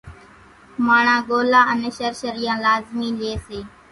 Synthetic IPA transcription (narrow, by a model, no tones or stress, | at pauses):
maːɳãːɠoːlãːʔəneːʃəɾʃəɾijãːlaːzmiːleːseː